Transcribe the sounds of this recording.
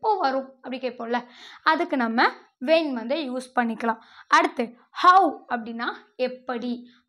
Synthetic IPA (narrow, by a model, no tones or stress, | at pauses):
poːʋɐɾʊ̃ɐpːɐɽɪkeːpoːlɐɐðɯkːɯnɐmːɐ | ʋeːnʋɐnd̪ɯjuːspɐɳːɪkːɐɭãː | ɐɽɯt̪ːɯ | hɐʊɐpːɐɽɪnːaːɛpːɐɽi